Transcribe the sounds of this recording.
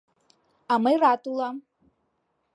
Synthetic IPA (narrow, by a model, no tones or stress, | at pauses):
amɨjrat̪ʼulˠam